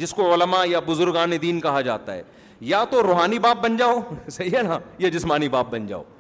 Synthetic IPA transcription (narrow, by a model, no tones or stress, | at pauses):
d͡ʒɪskoʊləmajabʊzʊɾɡãːned̪iːnkɐɦad͡ʒa̰ːt̪aɦɛ̰ː | jat̪oɾoːɦaːnibaːp̚bɐnd͡ʒaːosɐɦiɦɛnajad͡ʒɪsmaːnibaːp̚bɐ̃nd͡ʒa̰ːo̰ː